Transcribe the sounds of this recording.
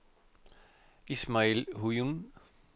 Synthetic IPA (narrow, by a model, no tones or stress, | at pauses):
ismaelɦujun